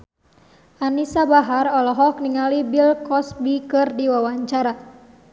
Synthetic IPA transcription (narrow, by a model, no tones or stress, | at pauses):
ʔanisabaɦarɔlɔɦɔkniŋalibilkɔsbikɨrdiwawaɲt͡ʃaɾa